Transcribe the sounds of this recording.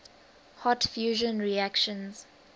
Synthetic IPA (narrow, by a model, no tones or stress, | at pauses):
hɔtfjuːʒə̃nɹiakʃə̃nz̥